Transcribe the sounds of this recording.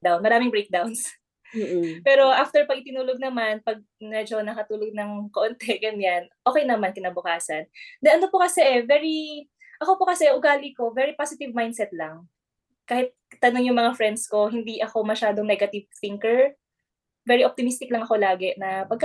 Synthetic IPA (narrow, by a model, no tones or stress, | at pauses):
d̪awnmɐɾaːmɪŋbɹejk̚d̪awns | pɛːɾo̞ʔaft̪ɛɹpɐɡ̚ɪt̪ɪnuːloɡ̚nɐmanpɐɡ̚ | mɛd͡ʒo̞nɐkɐt̪uːloɡ̚nɐŋkoʔont̪ɛɡɐnɲanʔoːkɛjnɐmankɪnabʊkaːsɐnd̪ɛɐno̞pokɐsɛʔɛvɛɹi | ʔɐko̞pokɐsɛʔʊɡaːlɪko̞vɛɾiposɪt̪ɪvmajnd̪sɛt̪̚lɐŋ | kaːhɪt̪̚ːɐno̞ŋjʊŋmɐŋafɹɛnd̪sko̞ɦɪnd̪iʔɐko̞mɐʃaːd̪oŋnɛɡɐt̪ɪvθɪŋkɛɹ | vɛːɾiʔop̚t̪ɪmist̪ɪklɐŋɐko̞laːɡɛnɐpɐɡ̚kɐ